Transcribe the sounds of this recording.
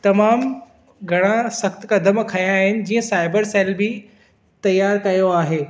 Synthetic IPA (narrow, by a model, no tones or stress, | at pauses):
t̪ɐmaːm | ɡʱɐɽ̃ãsɐxt̪kɐd̪ʱəmkʰɐjaːɦɪnɪ̆d͡ʑiːə̃saːɪbəɾsɛːlbɪ | t̪ɐjaːɾkɐjoaːɦeː